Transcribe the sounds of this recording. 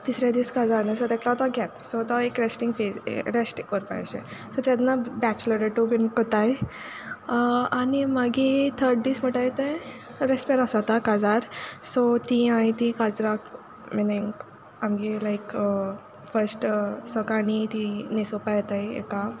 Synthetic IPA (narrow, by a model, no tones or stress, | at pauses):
d̪isɾjad̪iːskad͡zaɾnəsɔt̪ɛklat̪ɔɡɛpsɔt̪ɔekɾesʈĩŋɡfesɾesʈkəɾpa̰jɕḛsɔt̪janabɛt͡ɕləɾeʈubinkət̪aj | animaɡit̪ʰəɾɖd̪iːsm̤əʈajt̪ẽ | ɾespeɾasat̪akad͡zaɾsɔt̪iãjt̪ikad͡zɾak | menẽŋɡ | amɡelajkə | fəɾsʈsəkanit̪inesopajt̪ajḛka